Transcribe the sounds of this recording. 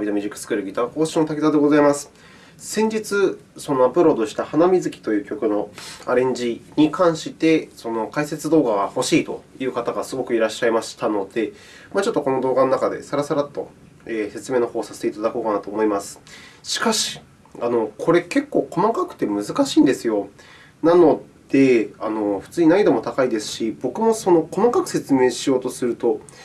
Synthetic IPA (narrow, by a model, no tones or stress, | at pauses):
bʲid̪omʲiʑikɯ̥sɨ̥kɯ̟ɾɯ̟ɡʲit̪ako̞ːɕino̞t̪akʲizad̪e̞ɡo̞zaimasɨ̥ | sẽ̞ɲ̟d͡ʑit͡sɨso̞no̞apɯ̟ɾo̞d̪o̞ɕi̥t̪ahanamʲizɨkʲi̥t̪o̞jɯ̟ːkʲo̞kɯ̟no̞a̰ɾẽ̞ɲ̟d͡ʑiɲ̟ikʰãɰ̃ɕit̪e̞so̞no̞kaise̞t͡sɨd̪o̞ːɡaɡaho̞ɕiːt̪o̞̰jɯ̟ːkat̪aɡasɨɡo̞kɯ̟iɾaɕːaimaɕi̥t̪ano̞d̪̥e̞ | mat͡ɕo̞t̪ːo̞ko̞no̞d̪o̞ːɡano̞nakad̪e̞̰saɾasaɾat̪ːo̞̰ | eːse̞t͡sɨme̞ːno̞ho̞ːsase̥t̪e̞it̪ad̪ako̞ːkanat̪o̞ːmo̞imasɨ̥ɕi̥kaɕi̥ | ano̞kʰo̞ɾe̞ke̞kːo̞ːkʰo̞makakɯ̟̥t̪ːe̞mɯ̟zɨkaɕĩːnd̪e̞sɨjo̞ | nano̞ | d̪̥e̞ano̞ɸɯ̟̥t͡sɨːɲ̟inaid̪o̞mo̞t̪akaid̪e̞sɨ̥ɕibo̞kɯ̟mo̞so̞no̞ko̞makakɯ̟̥se̞t͡sɨme̞ːɕijo̞ːt̪o̞sɨɾɯ̟t̪o̞